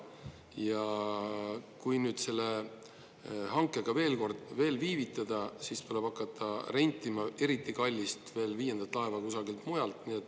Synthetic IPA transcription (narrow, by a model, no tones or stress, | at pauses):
jɑ | kujnyːd̪̥se̞lːe̞ | hɑŋkːˑe̞ɡ̥ɑve̞ːlko̞rd̪̥ve̞ːlviːvit̪ːˑɑd̪̥ɑsist̪ule̞b̥ɑkːˑɑt̪ʰːˑɑre̞nʲt̪ːˑimɑe̞ɾit̪ːikɑlʲːist̪ve̞ːlviːje̞nd̪̥ɑt̪ːˑlɑe̞vɑkusɑɡilt̪mujɑlt̪niet̪ːˑ